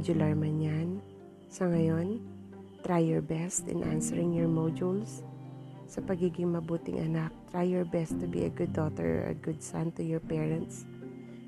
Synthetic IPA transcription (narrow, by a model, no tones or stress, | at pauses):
d͡ʒʊlaɹmɐnjan | sɐŋɐjon | t̪ɾajːɔɹbɛst̪ɪ̰nʔa̰nsɛɹɪŋjɔɹmod͡ʒuls | sɐpɐɡiːɡɪŋmɐbuːt̪ɪ̰ŋʔɐ̰nak̚t̪ɹajːɔɹbɛst̪ːʊbḭɐɡʊd̪̚ːot̪ɛ̰ɹ̰ɐ̰ɡʊd̪̚sant̪ʊjɔɹpɛɹɛ̃nt̪s